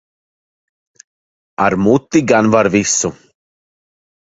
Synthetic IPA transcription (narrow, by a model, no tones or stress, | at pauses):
aɾmut̪ːiɡanvaɾvisʊ